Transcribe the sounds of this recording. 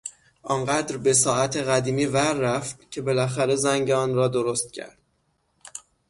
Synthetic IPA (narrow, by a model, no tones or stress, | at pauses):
ʔɒnɢæd̪ɾbe̞s̬ɒːʔæt̪ʰe̞ɣæd̪iːmiːvæɾːæft̪cʲʰe̞be̞læxæɾe̞zæŋɟeɒːnɾɒːd̪oɾost̪̚cʰæ̰ɾd̪̥